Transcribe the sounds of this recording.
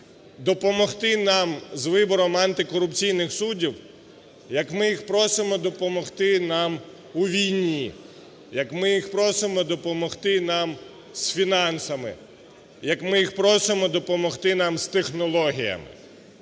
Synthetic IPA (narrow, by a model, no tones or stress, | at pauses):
d̪ɔpɔmɔxt̪ɪnɑmzʋɪbɔɾɔmɐnt̪ɪkɔɾʊpt͡sʲijnɪxsudʲiw | jɐkmɪjixpɾɔsɪmɔd̪ɔpɔmɔxt̪ɪnɑm | uʋʲijnʲi | jɐkmɪjixpɾɔsɪmɔd̪ɔpɔmɔxt̪ɪnɑm | sfʲinɑnsɐmɪ̰ | jɐkmɪjixpɾɔsɪmɔd̪ɔpɔmɔxt̪ɪnɑmst̪exnɔlˠɔɦʲijɐ̰mɪ̰